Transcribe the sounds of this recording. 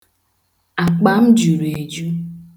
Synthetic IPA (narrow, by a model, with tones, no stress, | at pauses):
a˨k͡pa˨m̩˦d͡ʒu˨ɾe˨d͡ʒu˦